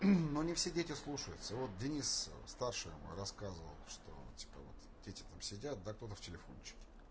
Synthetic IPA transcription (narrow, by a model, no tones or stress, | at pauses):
no̞nʲɪfsʲedʲetʲɪslˠuʂəjʊt̪səvo̞t̪̚dʲɪnʲisst̪arʂɨj̰m̰ɾɐskazəvə̰lˠʂt̪o̰tʲi̥pə̰vo̰t̪ | dʲetʲɪ̥t̪amsʲɪdʲat̪̚d̪akt̪o̞t̪əftʲɪlʲɪfo̞̰nt͡ɕɪ̥kʲɪ̥